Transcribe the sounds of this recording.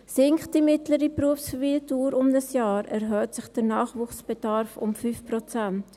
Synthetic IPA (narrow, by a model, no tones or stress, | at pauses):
sɪŋkχt̚d̥imɪtləɾipruəfsfviːtuːɾʊmdəsjaːɾɛɾɦœːtsɪχd̥əɾnaːχvuːχsb̥ɛdɑɾfʊ̰mfyːfprot͡sɛnt